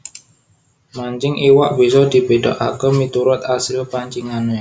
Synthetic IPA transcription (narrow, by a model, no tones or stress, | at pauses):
maɲt͡ʃɪŋʔiwa̰ʔbisɔd̪̥i̤be̤dɔ̰ʔa̰kəmit̪uɾʊt̪̚asɪlpaɲt͡ʃiŋane